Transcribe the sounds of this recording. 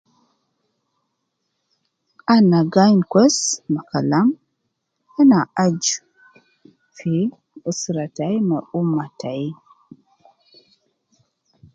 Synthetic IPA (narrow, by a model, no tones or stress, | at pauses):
anaɡajnkʷɛsmakalam | ɛnaʔad͡ʒ | fi | əsɾatajməumataj